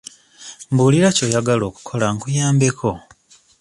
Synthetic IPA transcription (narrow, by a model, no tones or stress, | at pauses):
mbuliɾaco̞ːjaɡalo̞ːku̥kʰo̞laŋkujaːmbe̞kʰo̞